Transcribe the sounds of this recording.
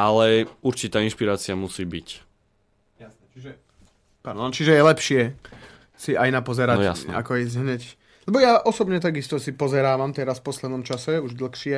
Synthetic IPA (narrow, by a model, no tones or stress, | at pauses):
ʔalɛuɾt͡ʃit̪aːinʃpiɾaːt͡siamusiːbic | jasnɛt͡ʃiʒɛ | paɾd̪ɔnt͡ʃiʒɛjɛlɛpʃɪɛ | siʔajnapɔzɛɾaja̰sna̰kɔizɦɲɛc | lɛbɔjaʔɔsɔbɲɛt̪aɡist̪ɔsipɔzɛɾaːʋamt̪ɛɾasfpɔslɛd̪nɔmt͡ʃasɛuʒd̪l̩xʃɪɛ